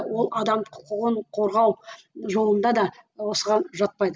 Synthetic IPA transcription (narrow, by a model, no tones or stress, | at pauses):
wo̞lˠɑd̪ɑmqʰʊqəʁəɴqʰo̞ɾʁɑw | ʒo̞lˠənd̪ɑd̪ɑwo̞səʁɑnʒɑt̪̚pɑjd̪ə